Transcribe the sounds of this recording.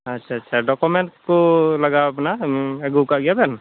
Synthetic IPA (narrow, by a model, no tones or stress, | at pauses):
ətːʃʰaːtːʃʰaɖɔkomeɳʈkoləɡaɐpnaeɡukaɡijabɛɾn